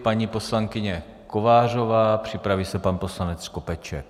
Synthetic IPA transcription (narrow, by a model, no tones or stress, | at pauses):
paɲiːpo̞slaŋkɪɲɛ | kovaːr̝o̞vaːpr̝̥ɪpɾaviːsɛpanpo̞slanɛt͡skopɛt͡ʃɛ̰k